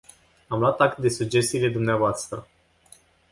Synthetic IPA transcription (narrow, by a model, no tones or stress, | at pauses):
amloat̪ak̚t̪̚d̪e̞suɡd͡ʒe̞st̪ile̞d̪umneavoast̪ɾə